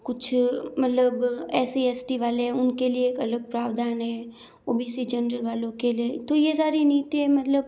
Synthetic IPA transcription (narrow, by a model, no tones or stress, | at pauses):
kʊt͡ʃʰmɐt̪ləbɛːsiɛsʈiʋaːleɦɛ̃ʊnkelieeːkɐləɡ̚pɾaːʋd̪aːnɦɛ | oːbiːsid͡ʒɛnɾəlʋaːlõkeliet̪ojesaːɾiniːt̪iɦɛ̃mɐt̪ləb